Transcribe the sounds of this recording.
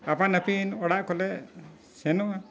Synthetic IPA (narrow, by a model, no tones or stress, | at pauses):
apanapinɔɽaʔkɔlɛ | sɛnɔa